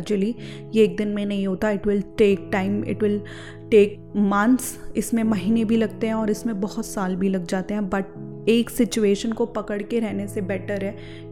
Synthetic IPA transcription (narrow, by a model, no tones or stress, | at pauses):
d͡ʒəli | jeeːk̚d̪ɪnmẽnɐɦĩɦoːt̪aɪʈʋɪlʈeːk̚ʈaːɪmɪ̰ʈʋɪl | ʈeːk̚ | mɐ̃nt̪sɪsmẽmɐɦiːnebʱilɐɡ̚t̪eɦɛ̃ɔːɾɪsmẽbɐɦʊt̪saːlbʱilɐɡ̚d͡ʒaːt̪eɦɛ̃bɐʈ̚ | eːksɪt͡ʃueːʃənkopɐkəɽkeɾɛɦnesebɛːʈəɾɦɛː